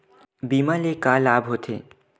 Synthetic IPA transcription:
biːmalekalaːbʱɦoːt̪ʰḛː

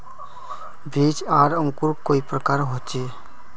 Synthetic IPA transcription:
biːt͡ʃaːɾə̃ŋkuɾkoːipɾəkaːɾɦoːt͡ʃeː

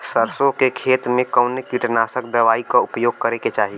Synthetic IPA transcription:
səɾsõkekʰeːt̪mẽkəʊnekiʈnaːsəkd̪ɐʋaːikaʊpjoːɡ̚kəɾeket͡ʃaːɦi

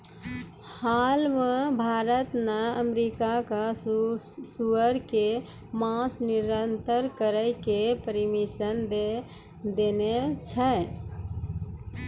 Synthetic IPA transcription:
halmə̃bʱaɾət̪nəəmɾikaka | suəɾke | mãsniɾənt̪əɾkəɾəɪkepəɾimisənd̪ | d̪enet͡ʃʰə

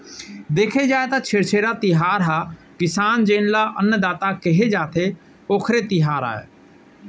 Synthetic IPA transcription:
d̪eːkʰeːd͡ʒaːet̪aːt͡ʃʰeːɾt͡ʃʰeːɾaːt̪ɪɦaːɾɦaː | kɪsaːnd͡ʒẽːnlaːʔənd̪aːt̪aːkeɦeːd͡ʒaːt̪ʰeː | oːkʰɾeːt̪ɪɦaːɾa̰ːḛː

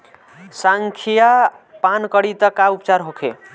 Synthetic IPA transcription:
saŋkʰija | pankəɽit̪əkaupt͡ʃaɾɦokʰḛ

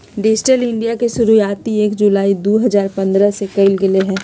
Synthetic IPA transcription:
ɖɪd͡ʒʈəlɪ̃ɳɖijakeʃʊɾujaːt̪ieːkd͡ʒulaːid̪oːɦɐzaːɾpɐ̃nd̪ɾəsekɐɪlɡɪleɦɛ̃ː

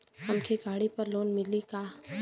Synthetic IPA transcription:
hɐmkʰiɡaːɽipɐɾloːnmɪlikaː

